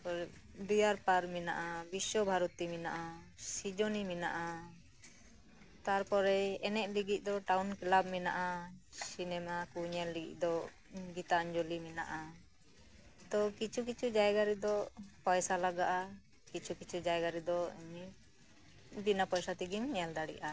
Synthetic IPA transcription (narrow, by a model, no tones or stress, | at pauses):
pɔɾɛ | d̪ujaɾpaɾmina̰ʔabiswɔbʱaɾɔt̪iminaʔa | sid͡ʒonimina̰ʔa | t̪aɾpɔɾɛɛnɛʔ̚liɡic̚ˀd̪ɔʈaunkilab̚mɛna̰ʔasinɛmakuɲɛɾliɡḭʔ̚ˀd̪ɔ | ɡit̪aɔɲd͡ʒolimina̰ʔa | t̪ɔkit͡ʃʰuk̬it͡ʃʰud͡ʒajɡaɾid̪ɔpɔjsalaɡaʔa | kit͡ʃʰukit͡ʃʰud͡ʒajɡaɾid̪ɔmi | binapɔjsat̪iɡimɲɛld̪aɽḭʔa